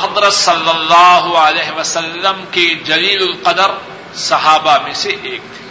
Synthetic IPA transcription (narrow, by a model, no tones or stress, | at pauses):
ɦɐd̪ɾət̪sɐlːɐlːɑːɦʊəlɛːɦɪʋɐsɐlːəmked͡ʒɐliːlʊlqɐd̪əɾ | sɐɦaːbamẽseʔeːk̚t̪ʰː